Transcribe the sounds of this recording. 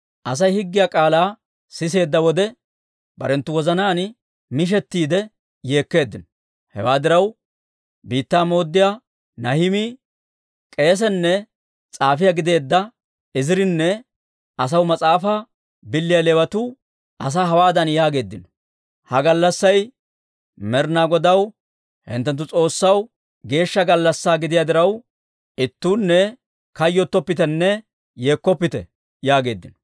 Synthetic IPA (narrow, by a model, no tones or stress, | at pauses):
ʔɐs̬ɐjhɪɡːɪjakʼaːlaː | sɪs̬e̞ːd̪ːɐwɔd̪ɛ | bɐ̰ɾɛnt̪ːʊwɔzɐnaːn | mɪʃ̬ɛt̪ːiːd̪ɛ | je̞ːkːe̞ːd̪ːɪnɔ | hɛ̰waːd̪ɪɾɐw | biːt̪ːaːmo̞ːd̪ːɪja | nɐhɪmiː | kʼe̞ːs̬ɛnːɛ | t͡sʼaːfɪjɐɡɪd̪e̞ːd̪ːɐ | ɪzɪɾɪnːɛ | ɐs̬ɐwmɐt͡sʼaːfɐ | bɪlːɪjɐlewɐt̪u | ɐs̬aːɦɐwaːd̪ɐnjaːɡe̞ːd̪ːɪnɔ̥ | hɐɡɐlːɐsːɐj | mɛɾnaːɡɔd̪ɐw | hɪ̰nt̪ːɛnt̪ːʊt͡sʼo̞ːsːɐw | ɡe̞ːʃːɐɡɐlːɐsːaːɡɪd̪ɪjaːd̪ɪɾɐw | ɪt̪ːuːnːɛ | kɐjːɔt̪ːɔpːɪt̪ɛnːɛ | jeːkːɔpːɪt̪ɛ̰ | jaːɡe̞ːd̪ːɪnɔ̥